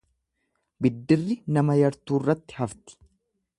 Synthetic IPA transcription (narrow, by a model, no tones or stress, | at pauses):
bɪd̪ːɪrːɪnɐmɐjɐɾt̪uːrːɐt̪ːɪ̥hɐft̪ɪ̥